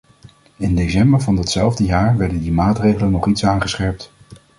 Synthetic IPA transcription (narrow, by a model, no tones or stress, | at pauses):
ɪndesɛmbəɹvɑndɑtsɛlˠvdəjaːɹʋɛɹdəndimaːtrejχələnɔχitsaːnχəsχɛɹp̚t